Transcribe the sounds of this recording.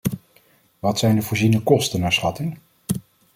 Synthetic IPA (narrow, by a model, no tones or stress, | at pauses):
ʋɑtsɛjndəvʊːɹzinəkɔstənaːɹsχɑtɪŋ